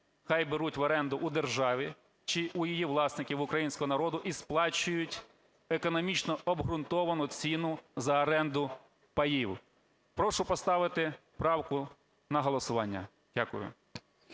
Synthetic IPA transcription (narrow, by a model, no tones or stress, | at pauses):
xɑjbeɾutʲʋɐɾɛnd̪ʊʔʊd̪erʒɑʋʲi | t͡ʃɪʔʊjijiʋlˠɑsnɪkʲiwʊkɾɐjinʲsʲkɔɦɔnɐɾɔd̪ʊʔisplˠɑt͡ʃʊjʊtʲ | ekɔnɔmʲit͡ʃnɔɔbɦɾʊnt̪ɔʋɐnʊt͡sʲinʊzɐːɾɛnd̪ʊ | pɐjiw | pɾɔʃʊpɔst̪ɑʋɪt̪ɪ | pɾɑwkʊ | nɐɦɔlˠɔsʊʋɑnʲːɐ̰ | d̥ʲakʊ̰jʊ̰